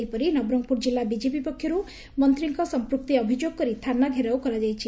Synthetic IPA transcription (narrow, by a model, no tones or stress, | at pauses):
ipʌɾinʌbɾɔŋ̚puɾd͡ʒilːabid͡ʒepipɔkʰːjɔɾu | mʌnt̪ɾiŋkɔsɔmpɾuk̚t̪iʌbʱid͡ʒjoɡ̚kɔɾit̪ʰanːaɡʱeɾawkɔɾad͡ʒajt͡ʃʰi